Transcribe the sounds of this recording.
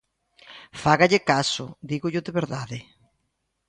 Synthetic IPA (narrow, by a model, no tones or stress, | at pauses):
faɣaʎɪkasʊ̰d̪iɣʊʎʊðɪβeɾðaðɪ